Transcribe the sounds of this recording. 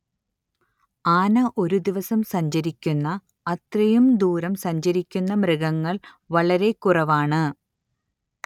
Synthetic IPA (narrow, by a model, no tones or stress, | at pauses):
aːnɐʔo̞ɾud̪iʋɐsɐmsɐɲd͡ʑɐɾikʲːunːɐ | ɐt̪rɐjumd̪uːɾɐmsɐɲd͡ʑɐɾikʲːunːɐmrɨɡɐŋːɐɭ | ʋɐɭɐɾe̞kːurɐʋaːɳɨ